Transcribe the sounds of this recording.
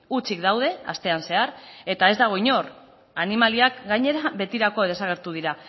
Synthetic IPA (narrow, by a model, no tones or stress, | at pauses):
ut͡sikd̪awðe̞a̰st̪e̞anse̞aɾe̞t̪ae̞zd̪aɣ̞o̞iɲo̞r | animaliakɡajɲe̞ɾaβe̞t̪iɾako̞ðe̞saɣ̞e̞ɾt̪uð̞iɾa